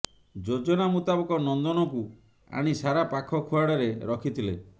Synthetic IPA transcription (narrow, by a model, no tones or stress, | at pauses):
d͡ʒod͡ʒɔnamut̪abɔkɔnɔnd̪ɔnɔku | a̰ɽ̃isaɾapakʰɔkʰuaɽɔɾeɾɔkʰit̪ʰile